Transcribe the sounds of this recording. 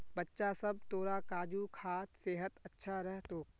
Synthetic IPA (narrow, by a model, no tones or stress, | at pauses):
bɐtːʃasɐb̚t̪oːɾakaːd͡ʒukʰaːt̪seːɦət̪ɐtːʃʰaɾɛɦt̪oː